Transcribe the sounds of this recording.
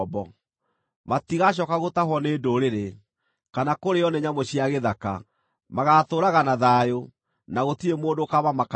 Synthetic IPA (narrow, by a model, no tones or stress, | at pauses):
bɔ | matiɣaɕ̬ɔkaɣotaɦwɔneːdoɾeɾe | kanakoɾeɔneɲamoɕiaɣeðaka̰ | maɣatoɾaɣanaðaːjo | naɣotiemoːdokaβamak